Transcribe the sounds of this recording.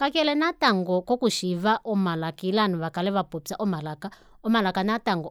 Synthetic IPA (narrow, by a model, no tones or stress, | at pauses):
kakɛlɛnataŋɡɔkɔkuʃiβaʔɔmalakilanuβakalɛβapopsaʔɔmalaka | ɔmalakanataŋɡɔ